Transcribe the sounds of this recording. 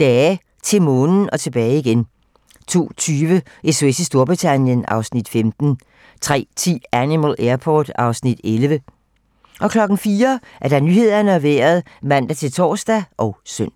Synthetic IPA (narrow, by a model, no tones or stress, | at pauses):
d̥ɛː | t͡sʰe̝lmɔ̽ːn̩ɒ̽t͡sʰe̝b̥ɛːɪiɡ̥en | t͡sʰo̝̰ːt͡sʰyːʋə | ʔesʋesisd̥o̝ɐb̥ʁit͡sʰænjənɑ̈ʊsnid̥femd̥n̩ | t͡sʰʁɛ̰ːt͡sʰḭːænimælʔeɐpʰɒːd̥ɑ̈ʊsnid̥elʋə | ʔɒ̽kʰlɒ̽ɡ̥n̩fiːɐʔæɐd̥ɑ̈nyːhe̝ð̞̰ˠɐnəæʋeːɐð̞ˠ | mæn̰d̥æt͡sʰe̝lt͡sʰɒ̰ːsd̥æʔɒʊsøn̰